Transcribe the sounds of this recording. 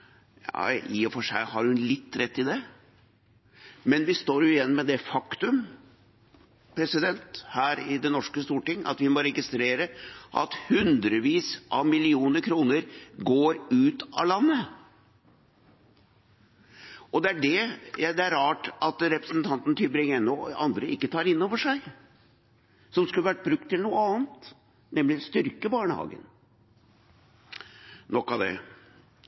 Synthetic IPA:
jɑ̰iɔfɔʂæ̰ɪhɑɾhʉnlɪt̪ːɾɛt̪ːɪd̪ɛ | mɛnʋɪst̪oːɾjʊɪjɛnːmɛd̪ɛfɑkt̪ʉm | pʰɾɛsɪd̪ɛnt̪hæːɾɪd̪ɛnɔʂkəst̪uːʈɪŋːʔɑ̰t̪ʋɪmɔɾɛɡɪst̪ɾeːɾəʔɑ̰t̪hʉnd̪ɾəʋiːsʔɑʋmɪlɪuːnəɾkʰɾuːnəɾɡoːɾʉːt̪ɑ̰lɑnːə | ʔɔd̪ɛæɖɛjæd̪ɛæɾɑːʈɑt̪ɾɛpɾəsnt̪ʰɑnt̪n̩t̪ʰʏbɾɪŋɛnːɔɑ̰nd̪ɾəɪkːət̪ʰɑːɾɪnːoːʋəʂæɪ | sɔmskʉlːəʋæʈ̚ːbɾʉk̚t̪ʰːɪlnuːəɑːnt̪ | nɛmlɪst̪ʏɾkəbɑːɳə̰hɑ̰ːɡə̰n | nɔkːɑʋd̪ɛ̰

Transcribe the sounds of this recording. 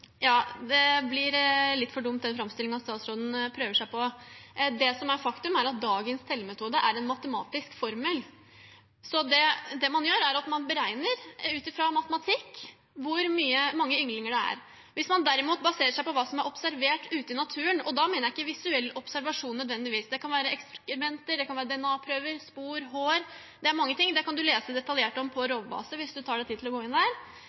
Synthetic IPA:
jɑːd̪ɛblɪɾlɪt̪ːfɔɖʊmt̪̚d̪ɛnfɾɑmst̪ɪlɪŋnɑst̪ɑːt̪sɾoːd̪n̩pʰɾøːʋəʂæɪpɔ | d̪ɛsɔmæɾfɑkt̪ʉmæɾɑt̪̚d̪ɑːɡənst̪ʰɛlːmɛt̪ʰuːd̪əʔæɾɛnmɑt̪əmɑ̰ːt̪ɪskfɔɾməl | sɔd̪ɛd̪ɛmɑnjøːɾæɾɑt̪mɑnbəɾæɪnəɾʉːt̪ɪfɾɑmɑt̪əmɑt̪ʰɪkː | ʋʊɾmyːəmɑŋːəʏŋlɪŋəɖɛæ̰ɾ | ʋɪsmɑnd̪æɾɪmuːt̪bɑseːɾəʂæɪpɔʋɑːsɔmæɾʔɔpsæɾʋeːʈʉːt̪əɪnɑt̪ʰʉːənɔd̪ɑmeːnəjɪkːəʋɪsʉɛlːɔpsæɾʋɑʂuːnːœd̪ʋɛnd̪ɪʋiːsd̪ɛkɑnʋæːɾəɛkskɾɪmɛnt̪əɖ̪ɛkʰɑnʋæːɾəd̪ɛɛnɑːpʰɾøːʋəɾspuːɾɦoːɾ | d̪ɛæɾmɑŋːət̪ʰɪŋːd̪ɛkɑnd̪ʉleːsəd̪ɛt̪ɑljeːʈɔmpʰɔɾoːʋbɑ̰ːsəʋɪsd̪ʉt̪ʰɑːɖæɪt̪iːd̪ʰɪlɔɡoːɪnd̪æːɾ

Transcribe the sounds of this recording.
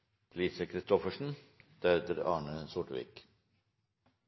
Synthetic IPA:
pʰʊliːsəkʰɾɪst̪ɔfəʂn̩d̪̥œːd̪əɾɑ̰ːɳəsʊʈəʋḭːk

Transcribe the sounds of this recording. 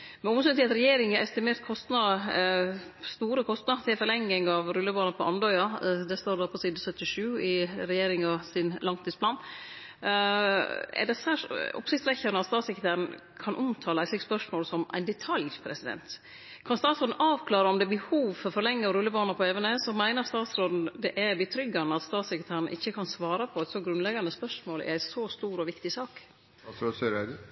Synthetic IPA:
mɛnʊmsɛnt̪ʰɪlɑt̪ɾɛjeːɾɪŋəɾʔɛst̪ɪmeːɾt̪kʰɔst̪nɑdə | st̪uːɾəkʰɔst̪nɑt̪ʰɪlfɔɾlɛŋːɪŋɑʋɾʉlːəbɑːnɑpʰɔʔɑnd̪ɔʏɑd̪ɛst̪oːɾdoːpʰɔsiːd̪ɑsœt̪ːɪʂʉːɪɾɛjeːɾɪŋɑsɪnlʔɑŋt̪ʰiːspʰlɑːn | ɛ̰ɖɛsæːʂɔ̰psɪçtsɾɛçːəɾnəɑt̪st̪ɑːt̪sɛkɾət̪æːɾən̩ | kʰɑnʔʊmt̪ʰɑːlæɪslɪkspœʂmoːlsɔmæ̰ɪnd̪ɛt̪ʰɑljpʰɾɛsɪd̪ɛ̰nt̪ | kʰɑnst̪ɑːt̪sɾoːd̪n̩ʔɑːʋkʰlɑːɾəɔmd̪ɛbəhuːʋfɔɾfɔɾlɛŋːəɔɾʉlːəbɑːnəɾpɔeːʋənəsɔmæɪnəɾst̪ɑːt̪sɾoːd̪n̩d̪ɛʔæbɪt̪ʰɾʏɡːɑnəɑt̪st̪ɑːt̪sɛkɾɪt̪ʰæːɾən̩ʔɪ̰çːəkʰɑnsʋɑːɾɑpʰɔɛt̪soɡɾʉnlɛɡɑnəspœʂmoːlʔæ̰ɾæɪsost̪uːɾɔʋɪkt̪ɪsɑːk | sɾosøɾæɪd̪

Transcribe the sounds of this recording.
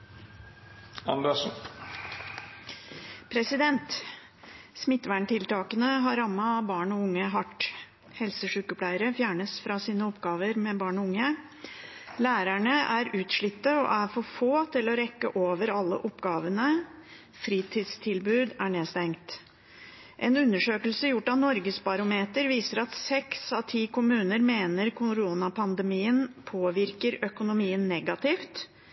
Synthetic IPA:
ɑ̰nd̪ɛʂn̩ | pʰɾɛsɪd̪ɛnt̪ | smɪt̪ːʋæɳʈʰɪlt̪ɑːkənəɦɑɾɑmːɑbɑːɳɔʊŋːəɦɑʈː | hɛlsəʂʉːkəpʰlæɪəɾəfjæːɳəsfɾɑsiːnəɔpɡɑːʋəɾmɛbɑːɳɔʊŋːə | læːɾæɳəʔæɾʉːt̪ʂɭɪt̪ːəɔ̰ʔæfɔɾfoːt̪ʰɪlɔɾɛkːə̰ʔoːʋəɾɑlːə̰ʔɔpɡɑːʋənə | fɾiːt̪ʰɪːd̪st̪ʰɪlbʉːd̪æɳeːst̪ɛŋkt̪ | ʔɛnʉnːəʂøːkəlsəjʊʈːɑʋnɔɾɡəsbɑɾʊmeːt̪əɾʋiːsəɾɑt̪sɛksɑʋt̪ʰiːkʰʊmʉːnəɾmeːnəɾkʰʊɾuːnɑpʰɑnd̪əmiːənpʰoːʋɪɾkəɾœkʊnʊmiːənːɛɡɑt̪ʰɪft̪

